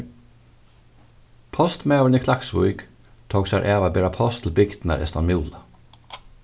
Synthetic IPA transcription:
pʰɔst̪mɑːɾənikʰlaksʋʊ̰ʏk | t̪ʰɔːɡsæɾʔæːʋabɛːɾapʰɔst̪ʰl̩bɪɡd̪̥næ̰ɾʔɛ̰st̪ɑnmjuːlə

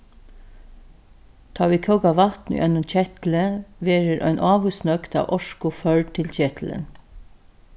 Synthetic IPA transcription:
t̪ʰɑːʋiːkʰœʊkaʋɑt̪nʏ̰ʔɛ̰nːʊnt͡ɕɛt̪l̩əʋeːɹəɾʔœ̰ʏnʔɑːʋusnœkt̪ʰɑ̰ːʋʔɔʃkʊfœɹt̪ʰɪlt͡ɕɛːt̪ʰlə̰n

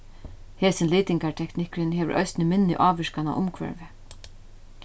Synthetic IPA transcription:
heːsɪnliːt̪ɪŋkaɹt̪ʰɛknɪkɾɪnɦɛːʋə̰ɾʔœ̰jsɪnɪmɪnːɪ̰ʔaːʋɪʂkana̰ʔʊmkʰvɛ̰ɹvɪ

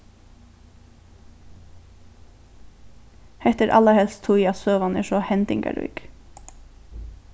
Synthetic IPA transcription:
hɛht̪ɛɾʔa̰laɹhɛlst̪ʰʊjat̪søːʋanɛ̰ʂɔhɛnt̪ɪŋka̰ɾṵk

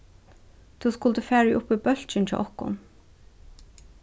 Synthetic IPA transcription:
t̪ʰuːskʊlt̪əfæːɹɪʔʊpːibœl̥t͡ɕɪnt̪ʰɪ̰ʔɔhkʊ̰n

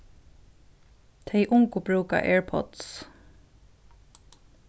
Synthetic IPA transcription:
t̪ʰeɪʔʊŋkʊbɹʉːka̰ʔeːɹpʰɔ̰t̪s

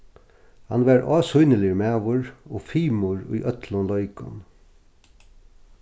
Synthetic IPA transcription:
hɑnʋæɾɑːsuʏnəlɪmɛʋʊɹoːfiːmʊɹʊ̰jʔœt̪lʊnlɔʏkʊ̰n

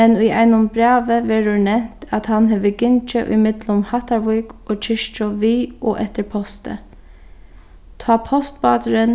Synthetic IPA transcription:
ɛnʉɪʔæ̰ɪnʊmbɾɑːʋəʋɛɾʊnɛmt̪ʰat̪hanɦɛʋəɡʏnt͡ʃəʔʏ̰mɪd̪lʊmhat̪aɹʋukoːt͡ʃʰɪʃt͡ʃɔʋiːʔoːʔɛt̪əɹpʰɔst̪ə̰ | t̪ʰɑːpʰɔst̪bɑ̰ːt̪ɾən

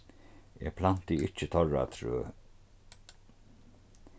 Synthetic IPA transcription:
ɛ̰pʰlan̥t̪iɪt͡ʃɪt̪ʰɔra̰t̪ʰɾø̰ː

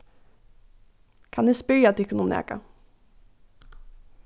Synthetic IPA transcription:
kʰanɪspʏɾjat̪ɛkʊnumɛ̰ːka̰

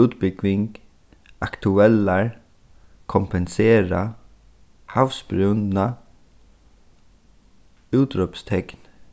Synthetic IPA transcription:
ʉːt̪bɪklɪŋk | akt̪ʰʉɛlaɹ | kʰɔmpɛnseːɾa | hafspɾʏna | uːt̪ɾœpst̪ʰɛkn

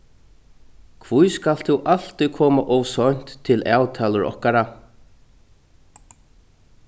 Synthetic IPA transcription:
kʰvujskal̥t̪ʰuʔal̥t̪ikʰɔːmaʔɔwsɔɲ̥t̪ʰːɪlaːwt̪ʰaːlʊɾɔ̰hkaɾa

